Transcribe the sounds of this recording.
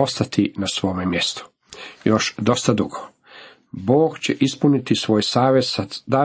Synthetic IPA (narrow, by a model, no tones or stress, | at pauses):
ost̪at̪ʰinasʋo̞ːmemjest̪o̥ | joʃd̪o̞st̪ad̪ṵɡo | bo̞ːɡt͡ɕeʔispunit̪isʋo̞ːjsaːʋesad̪a